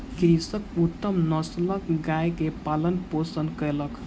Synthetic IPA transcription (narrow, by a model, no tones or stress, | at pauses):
kɾisʌkut̪ːʌmnʌslʌkɡajkepalənposənkelʌk